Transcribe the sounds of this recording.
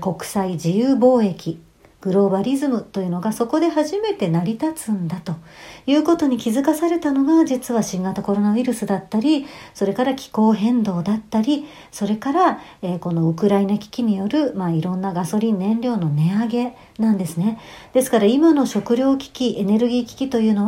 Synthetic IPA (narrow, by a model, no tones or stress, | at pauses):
ko̞kɯ̟̥said͡ʑijɯːbo̞ːe̞kʲi | ɡ̥ɯ̟ɾo̞baɾʲizɨmɯ̟t̪o̞jɯ̟no̞ɡaso̞ko̞d̪e̞haʑime̞t̪e̞naɾʲit̪at͡sɨ̃nd̪at̪o̞jɯ̟ːko̞t̪o̞ɲ̟ikʲizɨkasaɾe̞t̪ano̞ɡad͡ʑit͡sɨβaɕĩŋɡat̪ako̞ɾo̞naiɾɯ̟sɨd̪at̪ːaɾʲiso̞ɾe̞kaɾakʲi̥ko̞ːɦẽ̞nd̪o̞ːd̪at̪ːaɾʲi | so̞ɾe̞kaɾaeːko̞no̞ɯ̟kɯ̟ɾainakʲi̥kʲiɲ̟ijo̞ɾɯ̟maiɾõ̞nːaɡaso̞ɾʲĩnːẽ̞ɲɾʲo̞ːno̞ne̞aɡe̞ | nãnd̪e̞sɨne̞d̪̥e̞sɨ̥kaɾaimano̞ɕo̞kɯ̟ɾʲo̞ːkʲi̥kʲiʔe̞ne̞ɾɯ̟ɡʲiːkʲi̥kʲit̪o̞jɯ̟ːno̞